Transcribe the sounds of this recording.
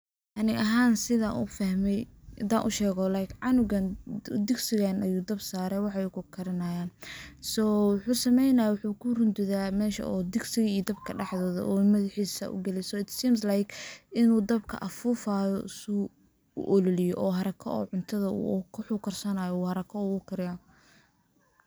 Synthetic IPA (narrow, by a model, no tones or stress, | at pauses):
ʔɐnɪʔɐɦaːnsɪða̰ʔṵfɐhmɛjd̪a̰ːnʔʊʃɛːɣɔlajkʰʕɑnʊɣɐnd̪ɪɡsɪɣanɐjuːd̪ɐbsaːɾɛjwɑħɑɛkʰʊkʰɐɾɪnajaːnsɔːwʊħuːsɐmɛjnɐjawʊħuːkʰʊrʊnd̪ʊðaːmɛːʃɐ̰ʔɔːd̪ɪɡsɪɣɐiːd̪ɐbkʰɐɖɑħðɔːðɐ̰ʔɔːmɐðɪħiːsɐ̰ʔʊ̰ɡɛlɛjsɔːɪt̪siːmslajkʔɪnuːd̪ɐbkʰɐ̰ʔɐfuːfaːjɔsu | ʊ̰ʔɔlɔlɪjɔʔɔːɦɐɾɐkʰɔ̰ɔ̰ːʕʊnt̪ʰɐðɐṵkʰʊħukʰɐrsɐnaːjɔuːhɐɾɐkʰɔuːʊkʰɐɾɪja